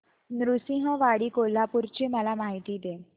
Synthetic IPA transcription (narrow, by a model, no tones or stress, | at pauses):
nɾusĩɦəʋaɽiːkolapuɾt͡ɕeməlamaɦit̪iːd̪e